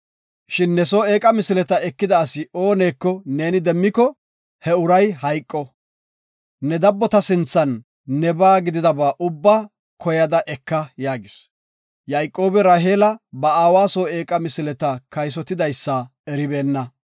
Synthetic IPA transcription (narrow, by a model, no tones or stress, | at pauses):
ʃɪnːɛsoːe̞ːkʼɐmɪsɪlɛt̪ɐɛkːɪd̪ɐːsɪo̞ːneːkːɔne̞ːnɪd̪ɛmːɪkɔ | hɛʊɾɐjhɐjkʼːɔ | ɛd̪ɐbːɔt̪ɐsɪnt͡sːɐnː | ɛbaːɡɪd̪ɪd̪ɐbaːʔʊbːaː | kʰɔjɐd̪ɐʔɛkːɐjaːɡɪs | jajkʼːo̞ːbɛɾaːɦeːlɐbɐaːwaːsoːe̞ːkʼɐmɪsɪlɛt̪ɐkɐjs̬ɔt̪ːɪd̪ɐjsːɐ | ɛɾɪbe̞ːnːɐ